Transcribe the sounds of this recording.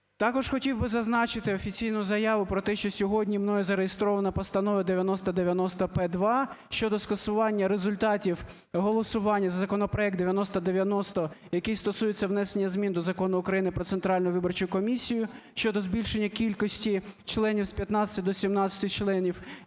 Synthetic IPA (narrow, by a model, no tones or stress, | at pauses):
t̪ɑkɔʒxɔtʲiwbɪzɐznɑt͡ʃɪt̪ɪɔfʲit͡sʲijnʊjʊzɐjɑʋʊpɾɔt̪ɛʃt͡ʃɔsʲɔɦɔdʲnʲimnɔjɛzɐɾejest̪ɾɔʋɐnɐpɐst̪ɐnɔʋɐd̪eʋʲjɐnɔst̪ɐd̪eʋʲjɐnɔst̪ɐpɛd̪ʋɑʃt͡ʃɔd̪ɔskɐsʊʋɑnʲːɐɾezʊlʲt̪ɑtʲiw | ɦɔlˠɔsʊʋɑnʲːɐzɐzɐkɔnɔpɾɔjɛk̚d̪eʋʲjɐnɔst̪ɐd̪eʋʲjɐnɔst̪ɔjɐkɪjst̪ɔsujet͡sʲːɐʋnɛsenʲːɐzmʲind̪ɔzɐkɔnʊːkɾɐjinɪpɾɔt̪ent̪ɾɑlʲnʊjʊʋɪbɔrt͡ʃʊjʊkɔmʲisʲijʊʃt͡ʃɔd̪ɔzbʲilʲʃenʲːɐkʲilʲkɔsʲtʲit͡ʃlˠɛnʲiwspʲjɐt̪nɑt͡sʲɪ̥t̪ʲɪd̪ɔsʲimnɑt͡sʲɐ̥t̪ɪt͡ʃlˠɛnʲiw